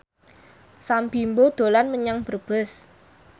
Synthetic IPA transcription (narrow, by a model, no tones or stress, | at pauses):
sampimbod̪̥o̤lanməɲaŋb̥ərb̥əs